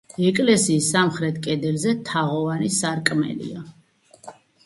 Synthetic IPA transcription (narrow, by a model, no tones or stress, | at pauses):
ɛkʼlɛsiːsːamχɾɛt̪ʰkʼɛd̪ɛlzɛt̪ʰaʁɔvanisaɾkʼmɛ̰lḭa